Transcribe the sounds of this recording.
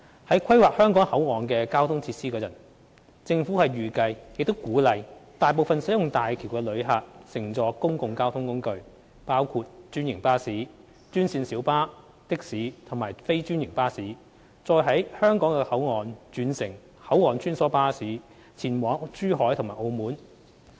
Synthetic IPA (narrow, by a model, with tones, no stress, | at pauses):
hɐ˨˥jkʷʰɐ˥jwaː˨˩k̚hœː˥ŋkɔː˨˥ŋhɐ˨˥wŋɔː˨˩nkɛː˧kaː˥wt̪ʰʊ˥ŋt͡sʰiː˧t̚siː˥kɛː˧jɐ̰˨˩n | t͡sɪ˧ŋfu˨˥hɐ˨jɥyː˨˩kɐ˧jjɪ˨k̚t̪o˥wkuː˨˥lɐ˨˧jt̪aː˨jp̬o˨wfɐ˨nsɐ˨˥jʊ˨ŋt̪aː˨jkʰi˨˩wkɛː˧lɵ˨˧ɥɦaː˨t̚sɪ˨˩ŋt͡sɔː˨˧kʊ˥ŋkʊ˨ŋkaː˥wt̪ʰʊ˥ŋkʊ˥ŋkɵ˨˧ɥ | paː˥wkʰuː˧t̚t͡ʃyː˥njɪ˨˩ŋpaː˥siː˨˥ | t͡ʃyː˥nsiː˧nsiː˨˥wpaː˥ | t̪ɪ˥k̚siː˨˥t̪ʰʊ˨˩maː˨˩jfe˥jt͡ʃyː˥njɪ˨˩ŋpaː˥siː˨˥ | t͡sɔː˧jɦɐ˨˥jhœː˥ŋkɔː˨˥ŋkɛː˧hɐ˨˥wŋɔː˨nt͡ʃyː˨˧nsɪ˨˩ŋ | hɐ˨˥wŋɔː˨˩nt͡ʃyː˥nsɔː˨˥paː˥siː˨˥ | t͡sʰiː˨˩nwɔː˨˥ŋt͡ʃyː˥ɦɔː˨˥jtʰʊ˨ŋmaː˨˩ʔo˧wmuː˨˥n